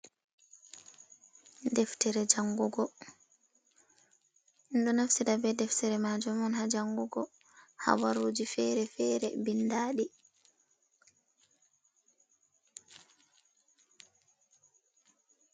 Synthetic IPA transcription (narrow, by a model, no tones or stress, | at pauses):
dɛftɛɾɛd͡ʒaŋɡuɡɔ | nɗɔnafsidabɛdɛftɛɾɛmad͡ʒɔmɔnhad͡ʒaŋɡuɡɔ | ha̰waɾuːd͡ʒifɛɾɛfɛɾɛbinːdaːɗi